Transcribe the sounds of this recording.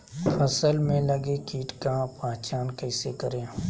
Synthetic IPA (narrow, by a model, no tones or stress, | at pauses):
fəsəlmẽlɐɡekiːʈkapãːt͡ʃaːnkɐɪsekɐɾẽː